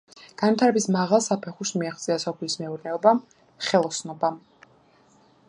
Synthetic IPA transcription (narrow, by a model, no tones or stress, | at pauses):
ɡ̥anvit̪ʰaɾɛbismaʁalˠsapʰɛχuɾsmiaχt̪sʼiasɔpʰlismɛuɾnɛɔbam | χɛlˠɔsnɔbam